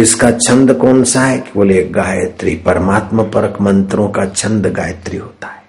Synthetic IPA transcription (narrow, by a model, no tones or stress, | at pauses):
ɪskat͡ʃʰɐ̃nd̪kɔːnsaɦɛkioleːkɡaːjət̪ɾḭpɐɾəmaːt̪məpəɾəkmə̃nt̪ɾõkat͡ʃʰɐ̃nd̪ɡa̰ːjət̪ɾiɦoːt̪ḁɦɛː